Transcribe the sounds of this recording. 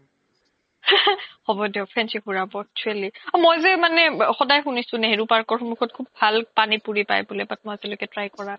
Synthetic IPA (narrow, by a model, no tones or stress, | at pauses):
xɔbɔdɛʊpʰɹɛnsixuɹabɔk̚t͡ʃʰualiɔmɔjzɛmanɛxɔdajxunisʊ̃neɦeɹupaɹkɔɹxɔmuxʰɔt̚kʰubbʱalpanipuɹipa̰jbulɛbat̚mɔjzɛlokɛtɹajkɔɹa